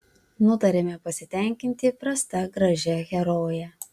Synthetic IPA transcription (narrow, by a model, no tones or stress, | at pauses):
nʊt̪ɐɾʲemʲɛpɐsʲɪt̪ʲɛˑŋʲkʲɪnʲt̪ʲɪpɾɐst̪ɐɡɾɐʒʲɛɣʲɛɾoːjɛ